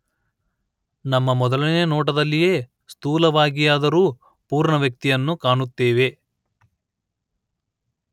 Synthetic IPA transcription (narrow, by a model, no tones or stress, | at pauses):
nɐmːɐmɔd̪ɐlinenɔːʈ̬ɐd̪ɐlːije̞ː | st̪uːlɐʋaːɡijaːd̪ɐɾuː | puːɾɳɐʋjɐk̚t̪ijɐnːukaːɳut̪ːeːʋe̞